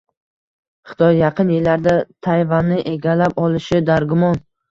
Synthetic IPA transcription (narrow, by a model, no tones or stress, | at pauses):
χɨ̥t̪ʰɒjːɑqʰɨnjelːaɾd̪at̪ʰajvanːɪʔe̞ɡʲalapɒlˠɪʃɪd̪aɾɡʊmɒn